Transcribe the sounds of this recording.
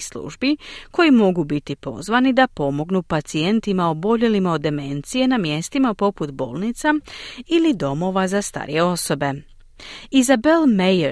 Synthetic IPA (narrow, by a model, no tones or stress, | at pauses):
slṵʒbiko̞jimo̞ɡubit̪ipo̞̰zʋanid̪apo̞mo̞ɡnupat̪sie̞nt̪imaobo̞ʎe̞limaod̪ːe̞me̞nt̪sije̞namje̞st̪imapo̞put̪bo̞̰ːlˠnit̪sailid̪o̞mo̞ʋazast̪a̰ːɾḭje̞o̞so̞be̞ | izabelmej